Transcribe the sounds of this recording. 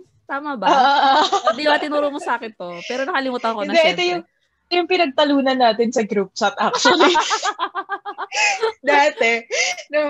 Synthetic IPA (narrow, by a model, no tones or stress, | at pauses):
t̪aːmɐbaoːʔoʔd̪imat̪ɪnuːɾomosaːkɪnt̪opɛːɾonɐkɐlɪmuːt̪ɐnkoɪnɐd̪ɛʔɛt̪ojʊŋ | jʊŋpɪnɐɡ̚t̪ɐluːnɐnːaːt̪ɪnsɐɡɾup̚t͡ʃɐt̪̚ʔak̚t͡ʃwɐli | d̪aːt̪ɛnɐ